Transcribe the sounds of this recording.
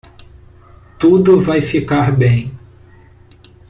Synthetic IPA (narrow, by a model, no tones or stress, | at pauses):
t̪ud̪ʊvajfikaɾbẽj̃